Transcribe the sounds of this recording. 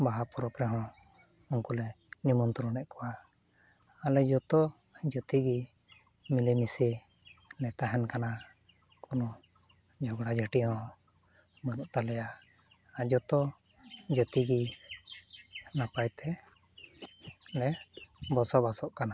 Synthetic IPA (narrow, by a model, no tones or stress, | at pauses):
baɦapɔɾɔpɾɛɦɔ̃ | uŋkulɛ | nimɔnt̪ɔɾɔnɛʔkɔwaː | lɛd͡ʒɔt̪ɔ | d͡ʒət̪iɡi | milimisi | lɛt̪aɦɛnkana | kɔnɔ | d͡ʒʱɔɡɽad͡ʒəʈijɔ̃ | mənuʔt̪alɛja | ad͡ʒɔt̪ɔ | d͡ʒət̪iɡi | napajt̪ɛ | lɛbɔsɔbasɔʔkana